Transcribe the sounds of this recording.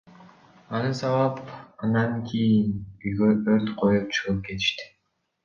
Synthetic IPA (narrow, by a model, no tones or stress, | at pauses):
ɑnɯsɑwɑpɑnd̪ɑŋkʰʲijinyjɡøøɾt̪qʰo̞jup̚t͡ʃʰɯʁɯp̚ke̞t̪i̥ʃt̪i̥